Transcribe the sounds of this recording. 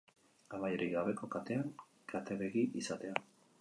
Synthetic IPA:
amajeɾiɣaβe̞ko̞kat̪e̞aŋ | kʰat̪eβeɣiʔisat̪e̞a

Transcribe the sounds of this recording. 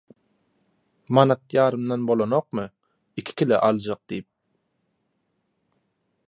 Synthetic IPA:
mɑnat̪jɑːɾɯmd̪ɑnbolˠonoq̚mɨ | ɪkʲʰɪ̥kʲʰɪlɪʔɑlˠd͡ʒɑq̚d̪̥ijp̚

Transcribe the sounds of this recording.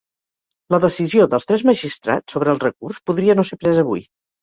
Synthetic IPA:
ləðəsizioðəlˠst̪ɾɛzməʒist̪ɾa̰t͡sːoβɾəːlˠrəkurspuðɾiənosepɾɛzəβṵj

